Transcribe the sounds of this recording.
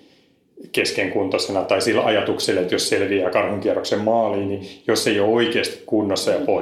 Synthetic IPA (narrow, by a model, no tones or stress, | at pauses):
keskeŋkunt̪osenɑt̪ɑisilːɑjɑt̪ukselet̪josselʋiæːkɑrhuŋkiɛrːoksemmɑːliːnijosːeiooikeːst̪i̥kkunːosːɑjɑpo